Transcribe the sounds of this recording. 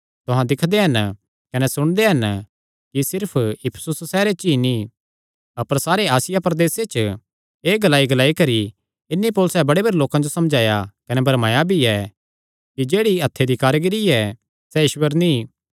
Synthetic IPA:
t̪ʊɦãd̪ɪkʰd̪eɦɐn | kɐnɛsʊɽ̃d̪eɦɐn | kisɪɾpʰɪpʰə̥sʊssɛːɾet͡ʃini | ɐpəɾsaːɾeaːsɪjapɾɐd̪eːset͡ʃ | eːɡɐlaːiɡɐlaːikɐɾi | ɪnːipoːlʊsɛbɐɽebɐɾeloːkãd͡ʒosɐmd͡ʒaːjakɐnɛbʱɐɾmaːjabʱiɛ | kid͡ʒeːɽiɐt̪ʰːed̪ʱikaːɾɡɪɾiɛ | sɛjɪʃwəɾnĩ

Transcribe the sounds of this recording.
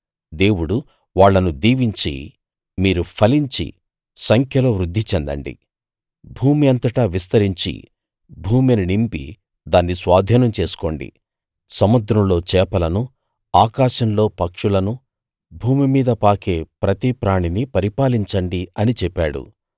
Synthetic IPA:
d̪e̞ːwuɽu | ʋaːɭːɐnud̪iːʋiɲt͡ʃḭ | miːɾupʰɐliɲt͡ʃḭ | sɐŋkʰjɐloːʋɾud̪ʱːit͡ʃɛnd̪ɐ̰ɳɖḭ | bʱuːmiɐnt̪ɐʈɐʋist̪ɐɾiɲt͡ʃḭ | bʱuːmininimpḭ | d̪aːnːisʋaːd̪ʱiːnɐmt͡ʃe̞ːsu̥ko̞̰ːɳɖḭ | sɐmɐd̪ɾɐmlo̞ːt͡ʃɛːpɐlɐnu | aːkaːʃɐmlo̞ːpɐkʂulɐnu | bʱuːmimiːd̪ɐpaːke̞ːpɾɐt̪ipɾaːɳinipɐɾipaːliɲt͡ʃɐɳɖiɐnit͡ʃɛpːaːɽṵ

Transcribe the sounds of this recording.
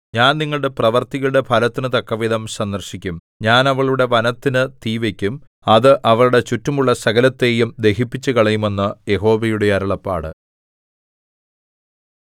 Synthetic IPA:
ɲaːnniŋːɐɭɽe̞prɐʋɐrt̪iɣɐɭuɽe̞pʰɐlɐt̪ːinɨt̪ɐkːɐʋiðɐmsɐnd̪ɐrɕikʲːum | ɲaːnɐʋɐɭuɽe̞ʋɐnɐt̪ːinɨt̪iːʋekʲːum | ɐðɨʔɐʋɐɭuɽe̞t͡ɕutːɐmuɭːɐsɐɣɐlɐt̪ːe̞ːjumd̪e̞ɦipːit͡ɕːɨkɐɭɐjume̞nːɨje̞ɦo̞ːʋejuɽe̞ɐɾɐɭɐpːa̰ːɽɨ̰

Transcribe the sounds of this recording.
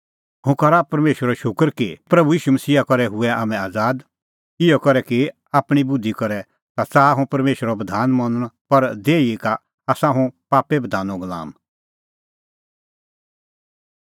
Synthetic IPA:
ɦũkɐɾapɐɾmeːʃwəɾɔʃʊkəɾkipɾɐbujiːʃumɐsiːakɔɾɛɦʊɛaːmɛ̃aːd͡zaːd̪ | ɪjɔkɔɾɛki | aːpɽ̃ibʊd̪ʱːikɔɾɛ | t̪at͡saːaɦũpɐɾmeːʃəɾɔbɐd̪ʱaːnmɐ̃nəɽ̃pɐɾd̪eːiika | aːsãɦũpaːpɛbɐd̪ʱaːnɔ̃ɡɐla̰ːm

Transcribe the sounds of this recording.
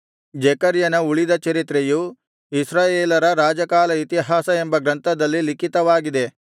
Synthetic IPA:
d͡ʒɛkɐɾjɐnɐuɭid̪ɐt͡ʃɐɾit̪ɾeju | isɾaːjeːlɐɾɐɾaːd͡ʒɐkaːlɐit̪iɦaːsɐe̞mbɐɡɾɐnt̪ɐd̪ɐlːilikit̪ɐʋaːɡid̪e̞

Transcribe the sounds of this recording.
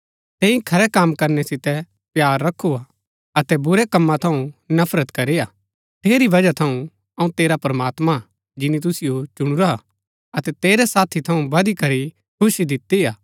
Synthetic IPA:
t̪ẽːĩkʰɐɾɛkaːmkɐɾnɛsɪt̪ɛ | pjaːɾːɐkʰːua | ɐt̪ɛbʊɾɛkɐmːãt̪ʰɐ̃ũnɐpʰɾət̪kɐɾeja | t̪eːɾiʋɐd͡ʒat̪ʰɐũ | ɐũt̪eːɾapɾɐmaːt̪ma | d͡ʒɪnit̪̬ʊsɪjot͡ʃʊɽ̃uɾa | ɐt̪ɛt̪eːɾɛsaːt̪ʰit̪ʰɐũbɐd̪ikɐɾi | kʰʊʃid̪ɪt̪ːijaː

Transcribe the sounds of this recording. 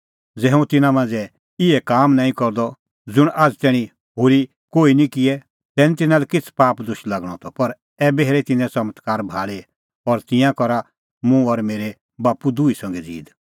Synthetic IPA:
d͡zɛːɦũt̪ɪnãmãːnd͡zɛ | ɪɛkaːmnãːĩkɔɾd̪ɔ | d͡zʊɽ̃ʔaːd͡zt̪ɛːɽ̃ĩ | ɦoɾi | koːinĩkɪɛ | t̪ɛːnit̪ɪnalɛkɪt͡sʰpaːpd̪ʊʃlaɡɽ̃ɔt̪ʰɔpɐɾ | ɛːbɛɦɾɛt̪ɪnɛ̃sɐmət̪kaːɾbʱaːɭe | ɔɾt̪ɪ̃jãkɔɾa | mũɔɾmeːɾe | baːpud̪uisɐ̃ŋɡɛd͡zḭːd̪

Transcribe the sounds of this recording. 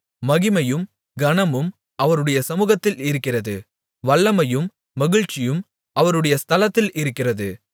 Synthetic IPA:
mɐɣɪmɐjɯm | ɡɐnɐmɯm | ɐʋɐɾɯɽɐjɐsɐmuːɣɐt̪ːɪlɪɾɯkːɪrɐðɯ | ʋɐɭːɐmɐjɯmː | ɐɣɪɻt͡ʃɪjɯm | ʔɐʋɐɾɯɽɐjɐst̪ʰɐlɐt̪ːɪlʔɪɾɯkːɪrɐðɯ

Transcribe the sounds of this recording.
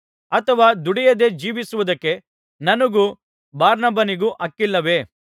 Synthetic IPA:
ɐt̪ʰɐʋaːd̪uɽijɐd̪e̞d͡ʒiːʋisuʋud̪ɐkːe̞ | nɐnɐɡu | baːɾnɐbɐniɡuʔɐkːilːɐʋe̞

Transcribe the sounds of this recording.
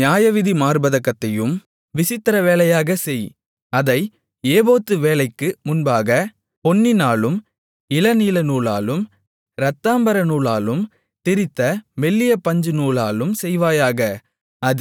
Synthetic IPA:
njaːjɐʋɪðimaːɾbɐðɐkːɐt̪ːɐjɯm | ʋɪsɪt̪ːɪɾɐʋeːlɐjaːɣɐsɛj | ɐðɐɪ | eːboːt̪ːɯʋeːlɐɪkːɯmʊnbaːɣɐ | pɔnːɪnaːlɯm | ɪlɐniːlɐnuːlaːlɯm | ɾɐt̪ːaːmbɐɾɐnuːɭaːlɯm | t̪ɪɾɪt̪ːɐʋɛlːɪjɐpɐɲd͡ʒɯnuːɭaːlɯmsɛjʋaːjaːɣɐ | ɐð

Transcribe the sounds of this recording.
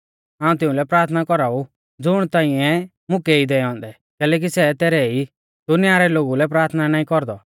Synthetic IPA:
ɦãːũt̪̬ɪ̃ũlɛpɾaːɾt̪ʰnakɔɾaːu | d͡zʊɽ̃t̪ãːĩɛ | mʊ̃kɛid̪ɛɦɔ̃ːnd̪ɛ | kɛːlɛːk̬isɛt̪ɛːɾɛi | d̪̥ʊnɪjaːɾɛloːɡulɛp̬ɾaːɾt̪ʰnanaːĩkɔɾd̪ɔ

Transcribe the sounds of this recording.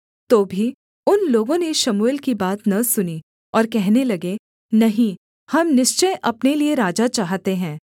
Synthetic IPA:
t̪oːbʱi | ʊnloːɡõneʃɐmuːɪlkibaːt̪nɐsʊni | ɔːɾkɛɦnelɐɡe | nɐɦĩ | hɐmnɪʃt͡ʃəjʔɐpnelieɾaːd͡ʒat͡ʃaːɦt̪eɦɛ̃ː

